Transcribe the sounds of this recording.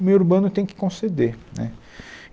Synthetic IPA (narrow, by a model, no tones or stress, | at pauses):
mejwuɾbɐ̃nʊt̪ẽj̃kɪ̥kõsed̪enɛ̰